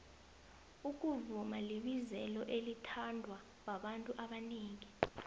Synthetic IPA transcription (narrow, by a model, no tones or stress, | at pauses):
uk̬ʼuvumaliɓizɛlɔʔelitʰandʱwa | k̬waɓantʼuʔaɓaniːŋi